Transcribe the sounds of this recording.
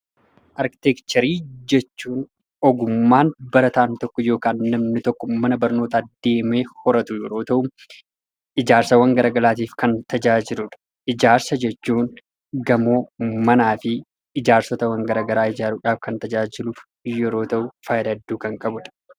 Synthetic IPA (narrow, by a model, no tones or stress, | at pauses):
ʔɐɾkɪ̥t̪ɛkt͡ʃ̪ːɐɾiːd͡ʒɛt͡ʃːuːn | ɔɡʊmːaːnbɐɾɐt̪aːnt̪ɔkːɔjo̞ːkaːnːɐmnɪt̪ɔkːɔmːɐnɐbɐɾno̞ːt̪ɐd̪ːe̞ːme̞ːhɔɾɐt̪ʊjɛɾo̞ːt̪ɐʔʊ | ʔɪd͡ʒaːɾsɐwɐŋɡɐɾɐɡɐlaːt̪iːfkɐnt̪ɐd͡ʒaːd͡ʒɪluᶑɐ̥ | ʔɪd͡ʒaːɾsɐd͡ʒɛt͡ʃːuːn | ɡɐmo̞ːmɐnaːfɪ | ɪd͡ʒaːɾsɔt̪ɐwɐŋɡɐɾɐɡɐɾaːɪd͡ʒaːɾuːᶑaːfkɐnt̪ɐd͡ʒaːd͡ʒɪluːf | jɛɾo̞ːt̪ɐʔʊfɐjlɐd̪ːuːkɐŋkʼɐbʊᶑɐ̥